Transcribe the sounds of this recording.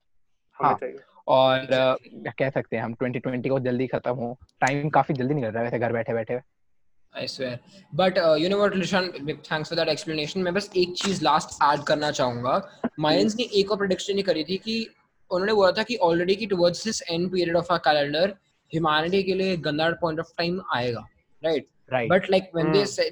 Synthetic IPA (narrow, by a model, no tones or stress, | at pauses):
hãː | ɔːɾkɛɦsɐk̚t̪eɦɛ̃ɦɐmʈwɛ̃ɳʈiʈwɛ̃ɳʈikod͡ʒɐld̪ixɐt̪əmɦõʈaːɪmkaːfid͡ʒɐld̪inĩkɐɾt̪aɛʋɛːseɡʱɐɾbɛːʈʰebɛːʈʰe | ḛɪsʋeːɾbɐʈjuːnɪʋəɾslɪʃãnt̪ʰæ̃ːŋksfɔɾd̪æʈɛkspləneːʃə̃nmɛ̃ːbɐseːk̚t͡ʃiːzlaːsʈæːɖkɐɾnat͡ʃaːɦũːŋɡamaːɪ̃nzneʔeːkɔːɾpɾɐɖɪkʃə̃nikɐɾit̪ʰiki | ʊnɦõːneboːlat̪ʰakiʔɔːlɾeɖik̬iʈʊʋɔːɖzd̪ɪsɛ̃ɳɖpiːɾiəɖɔfəkæːlɛ̃ɳɖəɾ | hjʊmaːnɪʈikelieɡɐ̃nd̪aːɾpɔ̃ɪ̃ɳʈɔfʈãɪ̃ma̰ːeːɡaː | ɾaɪʈ̚ | ɾaɪbɐʈlaɪk̚ʋɛ̃nd̪ese